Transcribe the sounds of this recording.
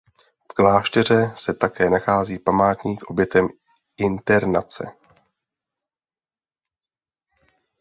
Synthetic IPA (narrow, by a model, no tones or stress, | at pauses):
fklaːʃt̪ɛr̝ɛsɛt̪akɛːnaxaːziːpamaːt̪ɲiːkʔo̞bjɛt̪ɛm | ʔɪnt̪ɛɾnat͡sɛ̰